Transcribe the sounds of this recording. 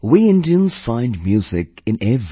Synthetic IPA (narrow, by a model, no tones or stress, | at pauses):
wiɪ̃ndiə̃nz̥fãɪ̃ndmjuːzɪkɨ̃nɛv